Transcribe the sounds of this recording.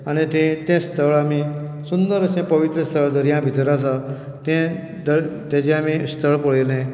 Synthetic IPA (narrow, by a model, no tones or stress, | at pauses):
ənet̪ẽt̪ẽst̪ʰəɭamisund̪əɾəsẽpəʋit̪ɾəst̪ʰəɭd̪əɾjãbʱit̪ɾas̬a | t̪ẽ | d̪ət̪ẽd͡ʑẽamist̪ʰəɭpəɭelẽ